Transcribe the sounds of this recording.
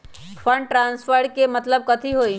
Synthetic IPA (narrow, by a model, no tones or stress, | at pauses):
pʰə̃ɳɖʈɾãːnspəɾɖkemət̪ləb̚kət̪ʰiɦoːi